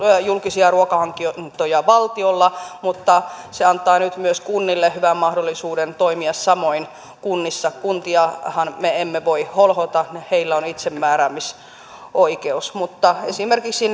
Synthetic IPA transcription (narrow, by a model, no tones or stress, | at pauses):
julkisiɑruokɑhɑŋkiont̪ojɑʋɑlt̪iolːɑmut̪ːɑseɑnt̪ˑɑːnyt̪myøskunːilːehyʋæmmɑhdolːisuːdent̪oimiɑssɑmoin | kunːisːɑkunt̪iɑhɑnmeemːeʋoiholhot̪ɑniheilːæonit̪semːæːɾæmːis | ʔoikeusmut̪ːɑesimerkiksin